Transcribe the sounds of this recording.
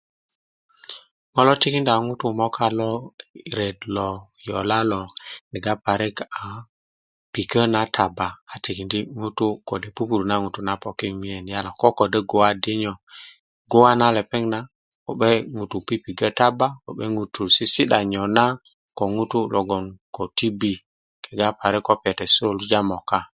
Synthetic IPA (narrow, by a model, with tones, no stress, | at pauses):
mo˦lɔ˦ti˦ki˦nda˨ŋu˦tu˦mɔ˦kʰa˦lɔ˦˨ɾe˨dlɔ˨jɔ̰˨la˦lɔ˨ni˨ɡa˦pa˨ɾe˦ka˨ | pi˨kə˦na˦tʰa˨baː˨ti˨ki˨ndi˦ŋu˦tu˦ko˨de˨pu˦pu˨ɾna˦ŋu˨tu˦na˦po˨ki˦mi˦e˨n˨ja˦la˨ko˦ko˨de˦ɡo˦wa˦di˦ɲɔ˨ | ɡo˦wa˦na˦le˨pe˦ŋna˦ | ko˨ɓe˦ŋu˨tu˨pi˦pi˨ɡə˦ta˦ba˦ko˨ɓe˦ŋu˨tu˨si˦si˦ɗa˨ɲo˨na˦ | ko˨ŋu˦tu˦lo˨ɡo˨nko˨ti˦bi˨ | ke˨ɡa˦pa˨ɾe˦kːo˦pe˨te˨so˦˨lu˦d͡ʒa˦mo˨ka˦